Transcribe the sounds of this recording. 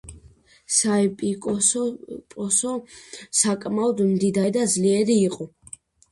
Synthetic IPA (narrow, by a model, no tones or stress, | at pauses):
saɛpʼikʼɔpʼɔsɔsakʼmaɔd̪md̪id̪aɾid̪ad̪zliɛɾiːqʼɔ